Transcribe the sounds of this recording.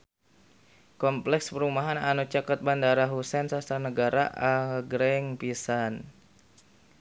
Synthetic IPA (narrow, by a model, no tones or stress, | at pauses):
kɔmplɛkspəɾumaɦananut͡ʃakət̪̚bandaɾaɦusɛnsasanəɡaɾa̰ʔaɡɾɛŋpisan